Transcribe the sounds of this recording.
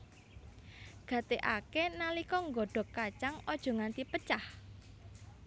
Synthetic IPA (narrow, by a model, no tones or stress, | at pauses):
ɡ̥ä̤t̪eʔakenalikɔŋɡɔɖ̥ɔ̤kːat͡ʃaŋɔd̥ʒ̥ɔ̤ŋant̪ipət͡ʃah